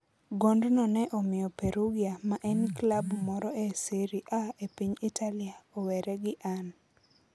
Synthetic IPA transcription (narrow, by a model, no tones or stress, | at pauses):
ɡondnɔnɛʔomɪjɔpeɾuɡiamaʔɛnklabmɔɾɔʔesiɾiʔaepiɲitaliaowɛɾɛɡɪʔan